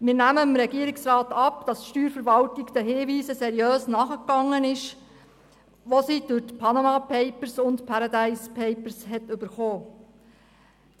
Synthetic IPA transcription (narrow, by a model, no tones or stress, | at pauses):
mɪːɾnæməɪmɾɛɡiəɾɪksɾɑːtɑpd̥ɑsʃtyːɾfəɾʋɑltɪɡd̥̪ɛɦɪːʋiːsəsɛɾiøːsnɑːχəkːɑŋːənɪʃ | ʋosid̥ɵtpʰɑnomɑːpʰɛɪpəɾsʊntpʰɑɾɑd̪æɪspʰɛɪpəɾshɛtʏb̥əɾχoː